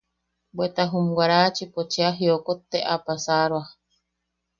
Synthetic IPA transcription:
bwet̪aɦumɡaɾat͡ʃipot͡ʃeaɦiokot̪ːeʔapasaɾwa

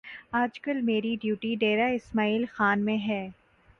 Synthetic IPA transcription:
aːd͡ʒkɐlmeːɾiɖjuːʈiɖeːɾaɪsmaːiːlxaːnmẽɦɛː

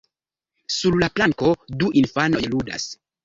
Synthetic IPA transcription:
sullaplaŋko̞duʔinfano̞jluda̰s

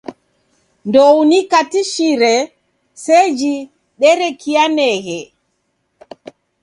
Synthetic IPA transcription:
ndowunikatiʃiɾɛ | sed͡ʒi | ɗɛɾɛkianɛɣɛ

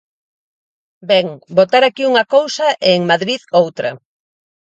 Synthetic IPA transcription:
bɛŋbot̪aɾakiuŋɐkowsɐʔeːŋmaðɾiðowt̪ɾɐ̰

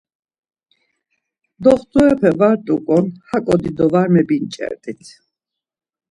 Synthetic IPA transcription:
d̪ɔχd̪uɛpʰɛvaɾt̪ʼukʼɔnhakʼɔd̪id̪ɔvaɾmɛbint͡ʃʼɛ̰ɾt̪ʼit̪ʰ

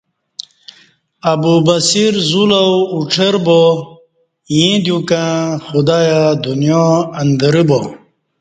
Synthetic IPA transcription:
ɐbubɐsiɾzulawuʈ͡ʂʰɐɾbo | jĩd̪jũkãxud̪ajad̪unjoɐnd̪əɾibo

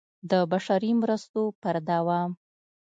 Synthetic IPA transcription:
d̪əbaʃaɾimɾəst̪opəɾd̪awɑm

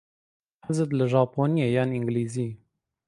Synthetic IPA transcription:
hazɨt̪lɨʒɑːpoːnijejɑːniŋɡliːzi

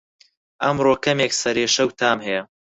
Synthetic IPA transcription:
ʔɐmroːkʰɐmeːksɐɾeːʃɐwt̪ʰaːmhɐjɐ

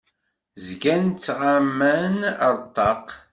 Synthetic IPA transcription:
zɡænt͡sːʁamːænəɾˤt̪ˤːɑq

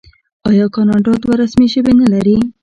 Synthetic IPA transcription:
ɑjɑkɑnɑɳɖɑt̪waɾasmiʃəwenalaɾi

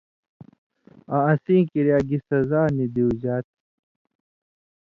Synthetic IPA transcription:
ãɐ̃sĩːkiɾjaːɡisɐzaːnid̪iud͡ʑaːt̪̚

